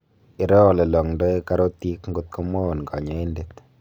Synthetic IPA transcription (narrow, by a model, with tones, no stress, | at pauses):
ɪ˨˦ɾɔ˦ɔ˨lɛ˨lɔ˨ŋndɔ˦e˦ka˦ɾɔ˦ti˦kŋɡʊ˨t̪̚kɔ˦mɔ˦˨nka˨ɲa˨˦i˦ndet̪